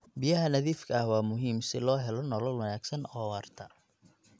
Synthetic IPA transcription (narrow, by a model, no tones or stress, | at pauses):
bɪjɐɦɐnɐðiːfkʰɐhwɑːmʊɦiːmsɪlɔːɦɛlɔnɔlɔlwɐnaːɡsɐnɔːwɑːrt̪ʰɐ